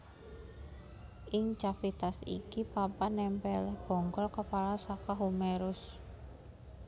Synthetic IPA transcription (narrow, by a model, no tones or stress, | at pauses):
ʔiŋt͡ʃafit̪asḭkipapanɛmpɛlɛhb̥ɔ̤ŋɡɔlkəpalasakaɦumɛɾʊs